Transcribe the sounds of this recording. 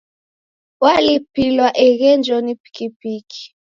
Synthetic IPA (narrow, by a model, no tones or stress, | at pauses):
walipilwaʔɛɣɛnd͡ʒɔnipi̥kipikʰi̥